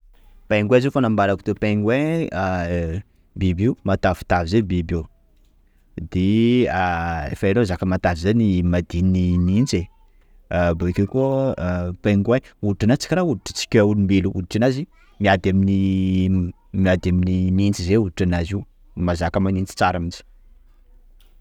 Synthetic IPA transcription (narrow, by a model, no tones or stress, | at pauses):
pajŋɡweazifanambaɾakut̪epeŋɡwe | bibiumat̪afi̥t̪avizebibi | d̪eaḛfaelozakəmat̪avizenimad̪ininint͡se | bokʲeku | peŋɡweuuʈ͡ʂanat͡si̥kʲɾauluʈ͡ʂə̥t͡si̥kʲaulumbiluṵʈ͡ʂanazi | miad̪amini | miad̪aminimint͡sizeuuʈ͡ʂanaziu | mazakəmanint͡si̥t͡saɾamit͡si̥